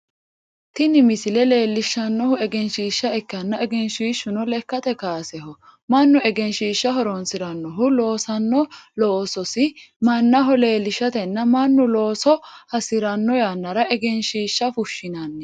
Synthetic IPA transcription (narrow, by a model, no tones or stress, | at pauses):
t̪ɪnɪmɪsɪlɛle̞ːlːɪʃːɐnːɔhʊɛɡɛnʃiːʃːɐɛkːɐnːɐɛɡɛnʃiːʃːʊnɔlɛkːɐt̪ɛkaːsɛɦɔ | mɐnːʊɛɡɛnʃiːʃːɐɦɔɾɔnsɪɾɐnːɔɦʊlo̞ːsɐnːɔloːsɔsɪmɐnːɐɦɔle̞ːlːɪʃːɐt̪ɛnːɐmɐnːʊlo̞ːsɔhɐsɪɾɐnːɔjanːɐɾɐʔɛɡɛnʃiːʃːɐfʊʃːɪnɐnːɛ